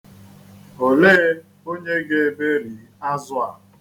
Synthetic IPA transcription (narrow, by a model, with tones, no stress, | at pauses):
o˨leː˦ | o˦ɲe˦ɡe˨e˨be˦ɾi˨ | a˦zʊ˦a˨